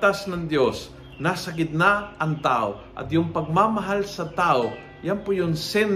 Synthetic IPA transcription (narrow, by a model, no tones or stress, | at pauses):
t̪asnɐŋd̪jos | nasɐk̬ɪt̪̚naʔɐŋt̪aʔoʔɐ̰t̪jʊŋpɐɡ̚mamɐɦalsɐt̪aːʔo | janpʊjʊŋsɛn